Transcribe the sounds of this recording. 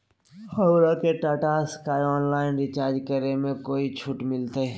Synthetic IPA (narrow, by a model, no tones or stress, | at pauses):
hɐwɾakeʈaːʈaskaːɪɔːnlaːɪnɾɪt͡ʃaːɾd͡ʒkəɾemẽkoːit͡ʃʰʊʈmɪlt̪eɛ